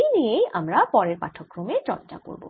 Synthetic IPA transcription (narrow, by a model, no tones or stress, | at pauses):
ejnijejʔamɾapɔɾeɾpa̰ʈʰokːɾomet͡ɕɔ̰nt͡ɕa̰ko̰ɾbo̰